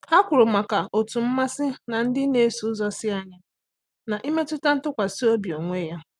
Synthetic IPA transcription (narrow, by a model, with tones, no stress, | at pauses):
a˦kʷʊ˨ɾʊ˨ma˨ka˨o˨tu˨m̩˦ma˦sɪ˦na˨n̩˦dɪ˦ne˦su˨ʊ˦zɔ˦sɪ˦a˦ɲa˦ | na˨ʔi˦me˦tʊ˦ta˦n̩˦tʊ˦kʷa˨si˦o˦bi˨o˨ŋʷe˦ja˦